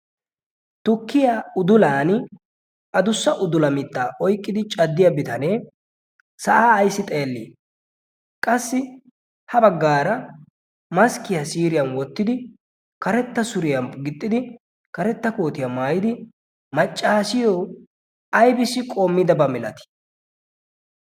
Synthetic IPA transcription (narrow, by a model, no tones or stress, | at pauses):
t̪ʊkːɪjaːʊd̪ʊlaːn | ʔɐd̪ʊsːɐʔʊd̪ʊlɐmɪt̪ːaːʔɔjkʼːɪd̪ɪt͡ʃʼɐd̪ːɪjɐbɪt̪ɐneː | sɐʔaːjsːɪt̪ʼeːlːḭː | kʼɐsːɪ | hɐbɐɡːaːɾɐ | mɐskɪjɐsiːɾɪjɐnwɔt̪ːɪd̪ɪ | kɐɾɛt̪ːɐsʊɾɪjɐmɡɪt̪ʼːɪd̪ɪ | kɐɾɛt̪ːɐko̞ːt̪ɪjɐmaːjɪd̪ɪ | mɐt͡ʃʼːaːsɪjoː | ɐjbɪsɪkʼoːmːɪd̪ɐbɐmɪlɐ̰t̪ɪ̥